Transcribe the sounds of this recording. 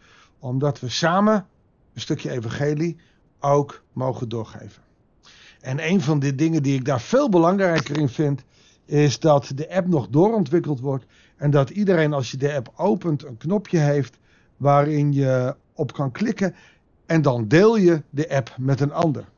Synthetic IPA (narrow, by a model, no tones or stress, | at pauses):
ɔmdɔtʋəsaːmə | ənstøkjəejvɑ̃ŋχeli | owkmowχəndʊːɹχḛjvə | ɛnejnvɑndədɪŋəndiɪɡ̚daːɹfeːlˠbəlɑŋrɛjkərɪnfɪnt | ɪsdɔtdəʔɛpnɔχdʊːɾɔntʋɪkəlˠtʋɔɹt | ɛndɔtidərejnɑlˠsjədəɛpowpəntənknɔpʰjəɦejft | ʋaːrɪnjə | ɔpkɑnklɪkə | ɛndɑndeːlˠjədəʔɛpmɛtənɑndəɹ